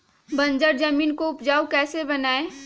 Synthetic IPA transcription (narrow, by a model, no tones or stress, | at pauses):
bɐ̃nd͡ʒəɾd͡ʒɐmiːnkoʊpd͡ʒaːwkɛːsebɐnaːe